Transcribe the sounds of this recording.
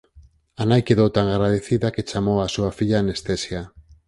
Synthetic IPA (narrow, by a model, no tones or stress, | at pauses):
anajkeðowt̪aŋaɣɾaðeθiðaket͡ʃamoasuafiʎanest̪esja